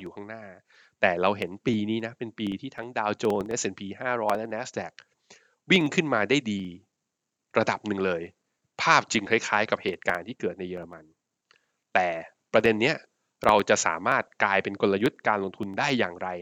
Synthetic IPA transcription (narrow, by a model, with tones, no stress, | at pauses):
juː˨˩kʰa˥˩ŋnaː˥˩ | t̪ɛː˨˩ɾa˧wɦe˩˦npiː˧niː˦˥na˦˥pe˧npiː˧t̪ʰiː˥˩t̪ʰa˦˥ŋdaː˧wt͡ɕoː˧nʔe˦˥sʔe˧npʰiː˧ɦaː˥˩ɾɔː˦˥jlɛ˦˥nɛː˦˥sdɛ˨˩k̚ | wi˥˩ŋkʰɯ˥˩nmaː˧daː˥˩jdiː˧ | ɾa˧da˨˩p̚nɯ˨˩ŋlɤː˧j | pʰaː˥˩p̚t͡ɕɯ˧ŋkʰa˦˥˩jkʰaː˦˥jka˨˩p̚heː˨˩t̪̚kaː˧nt̪ʰiː˥˩kɤː˨˩t̪̚na˧jɯː˧ɾa˧ma˧n | t̪ɛː˨˩ | pɾa˧de˧nːi˦˥ɐ | ɾa˧wt͡ɕa˨˩ʔsa̰ː˩˦maː˥˩t̪̚klaː˧jpe˧nko˧nlːa˧ju˦˥t̪̚kaː˧nlo˧ŋt̪ʰu˧ndaː˥˩jːaː˨˩ŋɾa˧j